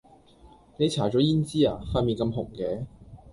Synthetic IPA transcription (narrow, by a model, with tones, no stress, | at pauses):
ne˨˧jt͡sʰaː˨˩t͡ʃɔː˨˥jiː˥nt͡siː˥a̰ː˨˧faː˧tmiː˨nkɐ˧mɦʊ̰˨˩ŋkɛː˨˧